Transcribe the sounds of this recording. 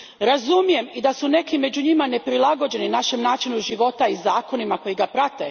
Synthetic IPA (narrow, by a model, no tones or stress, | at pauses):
ɾazumije̞mid̪asune̞kime̞d͡ʑuɲimane̞pɾilˠaɡo̞d͡ʑe̞ninaʃe̞mnaːt͡ʃinuʒiʋo̞t̪aizaːko̞nimako̞jiɡapɾat̪ḛ